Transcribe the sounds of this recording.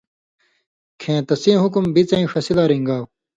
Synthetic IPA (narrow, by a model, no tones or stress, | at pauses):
kʰẽːt̪ɐsĩːɦukumbit͡sɐĩfɐsilaːɾiŋɡaːw